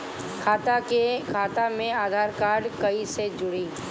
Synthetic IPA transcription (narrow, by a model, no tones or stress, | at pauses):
kʰaːt̪akekʰaːt̪amẽaːd̪ʱaːɾkaːɖkɐised͡ʒʊɽiː